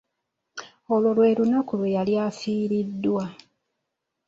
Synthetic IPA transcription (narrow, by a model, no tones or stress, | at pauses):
olwolwe̞ːɾunakulwejaljaːfiːɾidːwa